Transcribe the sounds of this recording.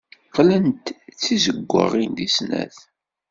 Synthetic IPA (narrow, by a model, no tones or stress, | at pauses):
qlənt̪t͡sːizəɡʷːə̰ʁind̪isnæ̰θ